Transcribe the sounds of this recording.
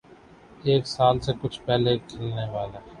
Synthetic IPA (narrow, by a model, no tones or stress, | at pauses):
eːksaːlsekʊt͡ʃʰpɛɦlekʰɪlneʋaːle